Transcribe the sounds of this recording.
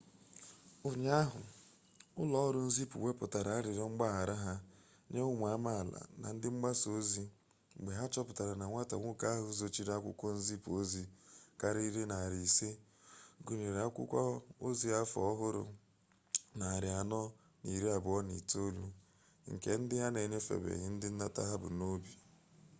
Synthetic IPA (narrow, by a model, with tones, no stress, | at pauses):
ʊ˨ɲ˦a˦ɦʊ˨ | ʊ˦lɔ˦ɔ˦ɾʊ˦n̩˦zi˦pṵ˨we˦pʊ˨ta˨ɾa˨a˦ɾɪ˨ɾɔ˦ŋ͡m̩˦ɡ͡ba˦ɦa˨ɾa˦ɦa˦ | ɲe˦ʊ˦m˨a˦ma˦˨la̰˨na̰˨n̩˦dɪ˦ŋ͡m̩˦ɡ͡ba˦so˦zi˦˨ | ɡ͡be˨ɦa˦t͡ʃɔ˦pʊ˨ta˨ɾa˨na˨ŋʷa˦ta̰˨ŋʷʊ˦ka˦a˦ɦʊ˦zo˨t͡ʃi˦ɾa˦kʷʊ̰˦kʷɔ˦n̩˦zi˦po˦zi˦ka˦ɾi˦i˦ɾi˦na˨a˨ɾi˨se˦ | ɡu˨ne˨ɾa˦kʷʊ̰˦kʷɔ˦o˦zi˦a˦fɔ̰˨ɔ˦ɦʊ˦ɾʊ̰˨ | na˨a˨ɾɪ˨a˨nɔ˦ | ni˨ɾi˦a˨bʊ˨ɔ˦nḭ˨to˦lu˦ | ŋ̩˨ke˨n̩˦dɪ˦ɦa˦ne˨ɲe˦fḛ˨bḛ˨ɣɪ˦n̩˦dɪ˦n̩˦na˦ta̰˦ɦa˦bʊ̰˨no˦bi˨